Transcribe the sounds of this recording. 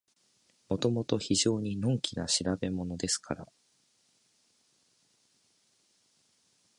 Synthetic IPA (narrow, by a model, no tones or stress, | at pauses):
mo̞t̪o̞mo̞t̪o̞çiʑo̞ːɲ̟inõ̞ŋkʲina̰ɕiɾabe̞mo̞no̞d̪e̞sɨ̥kʰaɾa̰